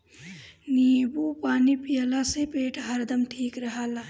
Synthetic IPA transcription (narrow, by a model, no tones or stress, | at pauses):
niːbupaːnipijəlasepeːʈʰɦəɾd̪əmʈʰiːkɾəɦalaː